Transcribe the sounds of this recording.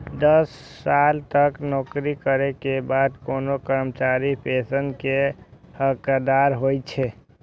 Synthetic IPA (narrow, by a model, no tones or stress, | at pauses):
d̪əsː | alt̪əknɔːkɾikəɾekebaːd̪koːnokəɾmt͡ʃaɾipesənkehəkad̪aɾɦojt͡ʃʰe